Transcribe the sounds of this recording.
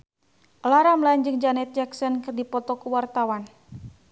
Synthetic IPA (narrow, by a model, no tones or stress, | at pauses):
ʔlaɾamland͡ʒɨŋd͡ʒanɛt̪̚d͡ʒaksɔnkɨrdipɔt̪ɔkuwart̪awan